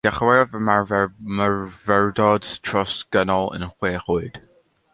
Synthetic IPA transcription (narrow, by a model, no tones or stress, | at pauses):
d̥aχwɛvəmamaɹvɛɹdɔdtʰrɔsɡ̥ənɔlˠə̰nχweːχuɨd̥